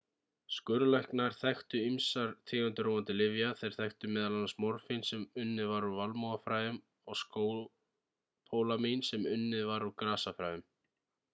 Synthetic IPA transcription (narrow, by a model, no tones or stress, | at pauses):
skʏɾlahknaɾ̥θajxt̪ʏimsaɾ̥t̪ʰɪːɣʏnt̪ɪɾoːwʏnt̪ɪlɪvjaθejɾ̥θajxt̪ʏmɛːðalanasmɔɾfinsɛmʏnːɪðvaɾuvalmowðafɾaːjʏm | ɔɣskː | pʰoːwlaminsɛmʏnːɪðvaɾukɾaːsafɾaːjʏm